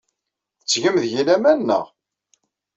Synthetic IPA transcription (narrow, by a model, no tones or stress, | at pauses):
θət͡sːʝəmðʝilæmænːə̰ʁ